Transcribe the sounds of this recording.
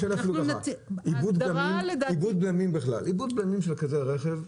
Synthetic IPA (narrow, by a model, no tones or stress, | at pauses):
ʃelafluaaibud̪̚bamimldibud̪̚bamimbiχla̰libud̪̚bamimʃelkazeʁeχev